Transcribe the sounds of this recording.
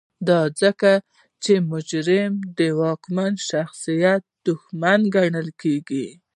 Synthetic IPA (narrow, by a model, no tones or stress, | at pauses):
d̪ɑd͡zəka | t͡ʃemʊd͡ʒɾɪmd̪əwɑkmanʃaxsijat̪̚d̪̥ʊxmanɡaɳəlkeɡi